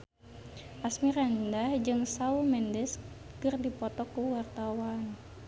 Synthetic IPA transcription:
ʔasmirandahd͡ʒɨŋsaumɛndɛs | kɨrdipɔt̪ɔkuwart̪awan

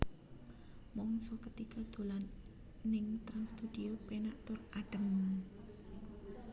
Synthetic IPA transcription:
mɔŋsɔkət̪ikɔd̪̥o̤lanː | ɪŋt̪ɾaŋst̪ud̪̥iopenaʔt̪ʊraɖ̥ə̤m

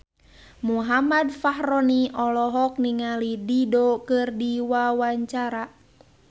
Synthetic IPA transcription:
muɦamadfaɦɾɔniʔɔlɔɦɔk̚niŋalididokɨrdiwawaɲt͡ʃaɾa

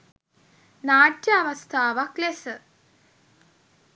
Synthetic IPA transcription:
naːʈjəaʋɐst̪ʰaːʋaklesə

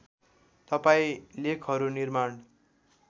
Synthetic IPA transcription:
t̪ʌpaĩlekʰɦʌɾunirmaɳ

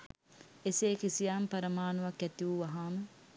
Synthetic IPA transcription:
eseːkisijaːmpɐɾəmaːnuʋɐkɛt̪iuʋɐɦaːmə

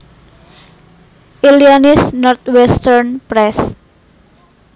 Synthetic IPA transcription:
ʔilianɪsnɔrt̪̚wɛst̪ɛrnpɾɛs

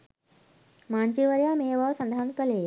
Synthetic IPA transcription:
mant͡ɕiʋəɾjameʋəʋsənd̪ʱankəle

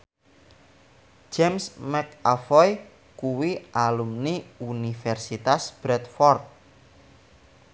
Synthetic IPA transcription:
d͡ʒɛmsmɛkafɔj | kuwiʔalumniunifɛrsit̪asb̥ɾɛt̪̚fɔrt̪̚

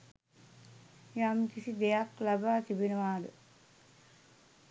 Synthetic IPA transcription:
jamkisid̪ejaklabaːt̪ibinəʋaːd̪ə

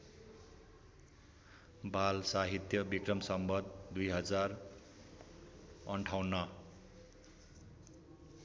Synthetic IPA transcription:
balsaɦit̪jʌbikrʌmsʌmbʌd̪̚ːujɦʌd͡zar | ʌɳʈʰawnːʌ

